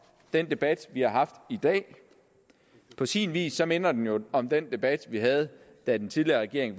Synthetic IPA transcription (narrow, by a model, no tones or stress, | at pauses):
d̥en̰d̥e̝b̥æd̥ʋihɑ̈ɦɑ̈fd̥id̥ɛ̰ː | pʰɒ̽sḭːnʋḭːsːɒ̽me̝nɐd̥enjo̝ɒ̽md̥end̥e̝b̥æd̥ʋiɦæð̞̩ˠ | d̥æd̥ent͡sʰið̞ˠliɐʁɛɡ̥e̝̰ɐe̝ŋ